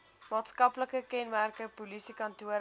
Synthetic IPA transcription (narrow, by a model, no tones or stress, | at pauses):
mɑːtskɐpləkəkɛnmærkəpulisikɐntuəɾ